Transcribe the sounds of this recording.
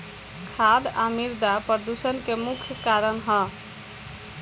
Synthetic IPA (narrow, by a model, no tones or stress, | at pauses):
kʰad̪amiɾd̪apəɾd̪usənkemukʰjkaɾənɦə